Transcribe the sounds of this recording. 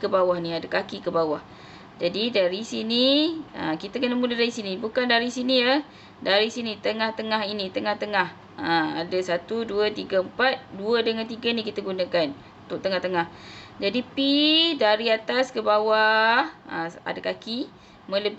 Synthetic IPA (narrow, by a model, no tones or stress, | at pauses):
kəbawahniadakakikəbawah | d͡ʒadidaɾisiniə̰kit̪əkənəmulədaɾisinibukandaɾisiniə | daɾisinit̪əŋaht̪əŋaɦinit̪əŋaht̪əŋah | əma̰dasat̪uduət̪iɡəəmpat̪̚duədəŋant̪iɡənikit̪əɡunakan | ut̪ʊʔ̚t̪əŋaht̪əŋahd͡ʒadipidaɾiat̪askəbawahəa̰dakaki | mə̃ləb